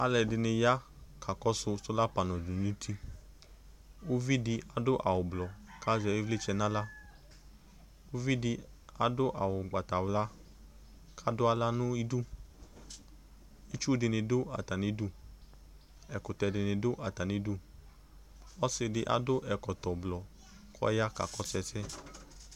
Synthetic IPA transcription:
a˨lɛ˨dɪ˧nɪ˧ja˦kʰa˨kɔ˦sʊ˧sʊ˦la˦pa˨nɔ̃˨du˨ĩ˦tʰi˧ | o˦vi˦di˧a˨dʊ˦ʔa˨wʊ˨blɔ˨ka˦zɛ˧i˦vle˦t͡ʃɛ˧nã˦la˦ | o˦vi˦dɪ˧ | a˦dʊ˦ʔa˨wʊ˨ɡ͡ba˨ta˨wla˦ | kʰa˦dʊ˦a˦la˦nũ˦i˦du˦˨ | i˦t͡ʃu˦dɪ˧nɪ̃˧dʊ˦a̰˨ta˨nĩ˧˦du˦ | ɛ˨kʊ˨tɛ˨˧dɪ˨˧nɪ̃˧dʊ˦ʔa˨ta˨ni˨˧˦du˦ | ɔ˦sɪ˧dɪ˧ʔa̰˨dʊ˦ʔɛ˨kɔ˨tɔ˨blɔ˨ | kʰɔ̰˦ja˦ka̰˨˦kɔ˦sɛ˧sɛ˦

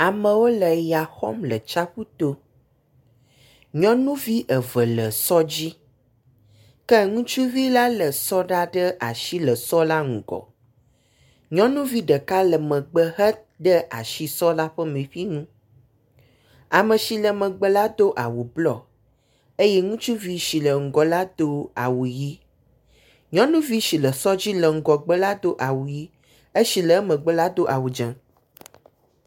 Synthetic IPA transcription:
a˨mə̃˨wo˦lə˨ja˨xɔ̰˦mlə˨t͡ʃa˦ɸu˦t̪o˦ | ɲɔ̃˦nũ˦vi˦ʔə˨və˨lə˨sɔ˦d͡ʑi˦ | kə˦ŋũ˦t͡ʃu˦vi˦la˦lə˨sɔ˦ɖa˦ɖə˦ʔa̰˨ʃi˦lə˨sɔ˦la˦ŋũ˨ɡɔ̰˨ | ɲɔ̃˦nũ˦vi˦ɖə˨ka˦lə˨mə̃˨ɡ͡bə˨ɦə˦ | ɖə˦ʔa̰˨ʃi˨sɔ˦la˦ɸə˦mẽ˨ɸi˦ŋũ˦ | a˨mə̃˨ʃi˨lə˨mə̃˨ɡ͡bə˦la˦d̪o˦ʔa˨wu˨blɔ˨ | e˦jɛ˦ŋũ˦t͡ʃu˦vi˦ʃi˨lə˨ŋ̩˨ɡɔ˨la˦d̪o˦a˨wu˨ji˦ | ɲɔ̃˦nũ˦vi˦ʃi˨lə˨sɔ˦d͡ʑi˦lə˨ŋ̩˨ɡɔ˨ɡ͡bə˦la˦d̪o˦ʔa˨wu˨ji˦ | e˦ʃi˨lə˨˦mə̃˨ɡ͡bə˦la˦d̪o˦ʔa˨wu˨d͡ʒɛ̃˨˦

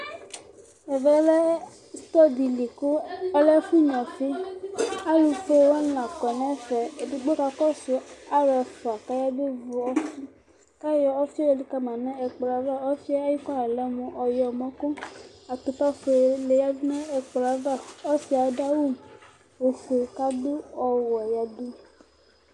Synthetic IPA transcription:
ɛ˨vɛ˦lɛ˦ | st̪ɔ˦di˨li˨ko˦ɔ˦lɛ˦fu˦ɲɔ̃˨fi˦ | a˦lu˧fe˦˨wa˦n˦a˨kɔ˨nɛ̃˦fɛ˨e˨di˨ɡ͡bo˦ka˧kɔ˦su˨a˦ɾɛ˧fɔ˨a˨ka˦ja˦be˦vu˨ɔ˦fi˦ | ka˦jɔ˦ɔ˦fi˦ɔ˦ɔ˨li˨ka˦mã˨nã˦ɛ˨k͡pla˨va˦ɔ˦fi˦a˦a˦ji˦ka˦a˨lɛ˦mũ˨ʔɔ˨jɔ˨mɔ̃˦kõ˦a˨t̪o˨ta˦fo˨˦˨le˨ja˦dnã˦ɛ˨k͡pla˨va˦ɔ˦si˦a˨˦da˦wu˦˨m˨ | wo˨fo˨ka˦do˦ɔ˨wɔ˨ja˨du˦

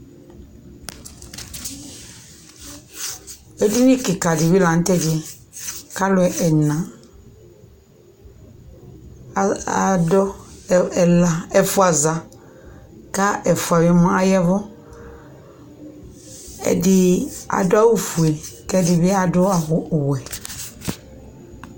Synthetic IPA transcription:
e˦du˦wi˦kɪ˨ka˨dɪ˨βi˦la˨n̩˦t̪ɛ˦d͡ʒɪ˨ɛ˨ | ka˦lʊ˨ɛ˨ʔɛ˨nã˨ | dɔ˦˨ | la˨ɛ˨fʊ˦a˨za˨ | ka˦ʔɛ˨fu˨a˨wi˦mɔ̃˦a˦jɛ˦vɔ˦ | ɛ̰˨dɪ˦a̰˨dʊ˦a˦wu˦fu˨e˨kɛ˦dɪ˨bɪ˦a˨dʊ˦a˨ɦʊ˨wɛ˨

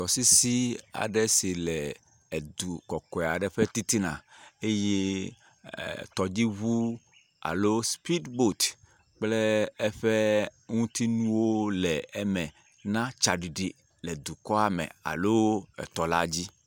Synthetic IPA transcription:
t̪ɔ˨si˦si˦a̰˨ɖɛ˦si˨lɛ˨ | d̪u˨kɔ˨kɔ˨ɛ˨a˨ɖɛ˨ɸɛ˦t̪i˦t̪i˦nã̰˨e˦jḛ˦˨ | t̪ɔ˨d͡ʑi˦βu˦ | a̰˨lo˦spi˦dbo˦˨t̪ | k͡plɛ˦ɛ˦ɸɛ˦ŋũ˦t̪i˦nũ˦wo˦lɛ˨ɛ˦mɛ̃˨ | nã˦t͡ʃa˨ɖi˨ɖi˨ | lɛ˨d̪u˨kɔ˦a˨mɛ̰̃˨a̰˨lo˦ɛ̰˨t̪ɔ˨la˦d͡ʑi˦

